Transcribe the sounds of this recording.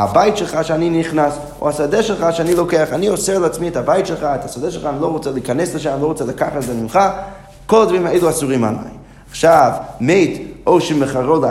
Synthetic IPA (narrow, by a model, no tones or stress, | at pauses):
abaɪtʃɛlˠχaʃaniniχnas | ṵasadɛʃɛlˠχaʃanilˠokeaχaniɔsɛʁlˠat͡smiɛtabaɪtʃelˠχaɛtasadɛʃlˠχaniloʁɔt͡sɛlikanɛsləʃaaniloʊʁɔt͡sɛlɪkaχazɛmimχa | kolˠd̪vʁimaejluasuʁima̰la̰ɪ | aχʃavmeɪtoʊʃiməχaʁoda